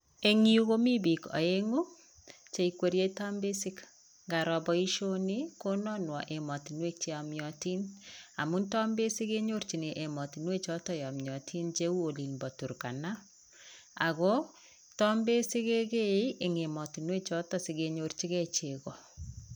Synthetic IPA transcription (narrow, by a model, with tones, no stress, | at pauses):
e˨ŋi˦u˦ɣo˦mi˦bi˨kɔ̰˨e˦ŋu˦ | t͡ʃe˨ikwe˨ɾje˦ta˦mbe˦si˦k | ŋɡa˨ɾɔ˨bɔ˦i˦ʃo˦ni˦ko˦nɔ˦nwɔ˨ʔe˨mɔ˨ti˨nwe˦k̚t͡ʃe˦ɔ˨mjɔti˦na̰˨mu˦ntɔ˦mbe˦si˦ke˦ɲo˦ɾt͡ʃi˨ne˨ʔe˨mɔ˨ti˨nwe˦t͡ʃɔ˦tɔ˨jɔ˨mjɔ˨tʰi˦nt͡ʃe˦u˦o˨li˨nbɔ˨tu˨ɾka̰˨na˦ | a̰˨ɣɔ˦ | tɔ˦mbe˦si˦ke˦ɡe˦i˦ʔe˨ŋe˨mɔ˨ti˨nwe˦t͡ʃɔ˦tɔ˨si˨ɣe˨ɲo˨rt͡ʃi˦ɣɛ˦t͡ʃe˨kɔ˨